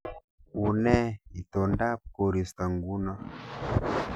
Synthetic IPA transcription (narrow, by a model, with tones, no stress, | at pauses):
u˨nɛ˦i˨to˨nda˦p̚ko˨ɾi˨st̪a˨ŋɡu˦na˦